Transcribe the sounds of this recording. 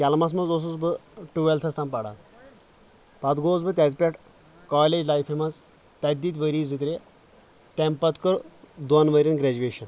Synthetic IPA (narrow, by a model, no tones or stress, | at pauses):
kʲɐlmɐs̬mɐnzos̬usbɨʈuʋelt̪ʰɐst̪ɐmpɐɽa̰ | pɐt̪ɡoːzbɨt̪ʲɐt̪ʲpʲɛʈ | kaːlʲed͡ʒlajpʰimɐz | t̪ɐt̪̚ʲd̪it̪ʲʋəɾiːzɨt̪ɾʲe | t̪empɐt̪kɨɾd̪wɐnʋɐɾʲinɡɾɛd͡ʒuʋeːʃɐn